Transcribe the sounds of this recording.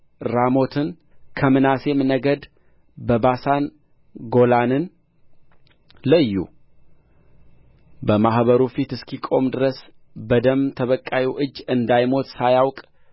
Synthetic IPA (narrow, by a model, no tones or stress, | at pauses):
ɾamo̞t̪ʰɨn | kʰəmɨnase̞mnəɡəd̪ | bəbasan | ɡo̞lanɨn | ləjːṵ | bəmahβəɾufit̪ɨskʰikʼo̞md̪ɨɾəs | bəd̪əmt̪ʰəβəkʼːawiʔɨd͡ʒːɨnd̪ajmo̞t̪sajawkʼ